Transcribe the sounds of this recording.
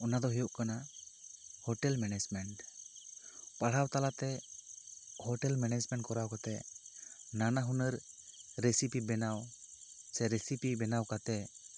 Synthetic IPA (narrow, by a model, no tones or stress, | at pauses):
ɔnad̪ɔɦijɔʔkana | hɔʈɛlmɛnɛd͡ʒmɛɳʈ | paɽ̤awt̪alat̪ɛ | hɔʈɛlmɛnɛd͡ʒmɛɳʈkɔɾawkat̪ɛ | nanaɦunəɾːesipibɛnawsɛɾɛsipibɛnawkat̪ɛ